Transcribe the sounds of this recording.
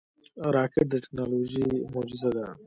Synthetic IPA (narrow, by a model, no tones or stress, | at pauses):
ɾɑːkeʈ̚d̪əʈɪ̥knaːloːʒimod͡ʒɪzad̪a